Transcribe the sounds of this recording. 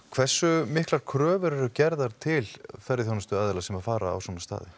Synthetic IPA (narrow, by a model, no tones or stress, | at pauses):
kʰv̥ɛr̥sːʏmɪhklaɾ̥kʰɾœːvʏɾɛɾʏcɛɾðaɾ̥t̪ʰɪlθɛrɾːɪθjownast̪ʏaðlasɛmaðfaːɾa̰a̰wsɔnast̪a̰ːðɪ